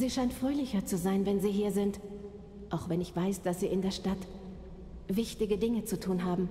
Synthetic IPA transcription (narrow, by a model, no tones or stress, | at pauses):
ziːʃaɪntfʁ̥øːlɪçɐt͡suzaɪnvɛnziːɦiːɐzɪnt | ʔaʊxv̥ɛnɪçv̥aɪsd̥asz̥iːɪndeːɐʃtat | v̥ɪçtɪɡədɪŋət͡sutʰuːnɦaːbm̩